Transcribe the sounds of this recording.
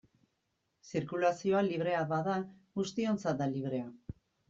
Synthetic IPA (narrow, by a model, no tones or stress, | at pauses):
siɾkulasio̞aliβ̞ɾe̞aβaða | ɣust̪io̞nt͡sat̪̚d̪aliβ̞ɾe̞a